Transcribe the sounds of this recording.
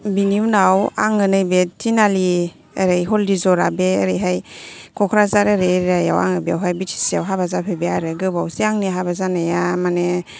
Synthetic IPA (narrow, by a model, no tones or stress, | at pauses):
biniwnawa̰ŋɯnɯjbetʰinali | əɾɯjɦɔldizɔɾabeə̰ɾɯjɦajkʰɔkʰɾazaɾaɾeɾɾaja̰wa̰ŋabeawɦajbitʰi̥siawɦabazapʰebeaɾɯɡɯbawsiaŋniɦabazanajamane